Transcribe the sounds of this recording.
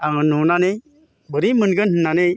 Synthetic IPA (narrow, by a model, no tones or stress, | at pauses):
aŋɯnːunanej | bəɾimənɡɯnhɯnanej